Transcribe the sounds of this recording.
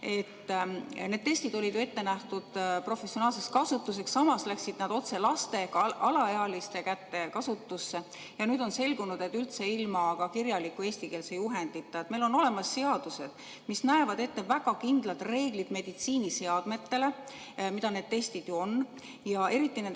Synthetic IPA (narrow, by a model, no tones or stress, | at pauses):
e̞t̪ːne̞d̥̪̚t̪e̞sʲt̪id̪o̞lʲid̪̥jue̞t̪ːe̞næht̪ud̪̥pro̞fesio̞nɑːlse̞skɑsut̪ːˑus̬e̞ksːɑmɑslæksid̪̥nɑd̪̥o̞t̪se̞lɑst̪e̞kɑlɑeɑlist̪e̞kæt̪ːe̞kɑsut̪ːusːe̞ | jɑnyːd̪o̞nse̞lɡunud̪̥e̞t̪ːˑylt̪se̞ilmɑkɑkirjɑlikːˑue̞ːsʲt̪ikeːlsejuɦe̞nd̪̥it̪ːˑɑet̪ːme̞lo̞no̞le̞mɑsːe̞ɑd̪̥use̞d̪̥ | misnæe̞vɑd̪e̞t̪ːe̞væɡ̥ɑkind̪lɑt̪ˑre̞ːɡ̥lid̪̥me̞d̪̥it̪siːnise̞ɑd̪̥me̞t̪ːe̞le̞ | mid̪̥ɑne̞ːd̪̥̚t̪e̞st̪id̪̥juo̞n | jɑe̞ɾit̪ːˑinen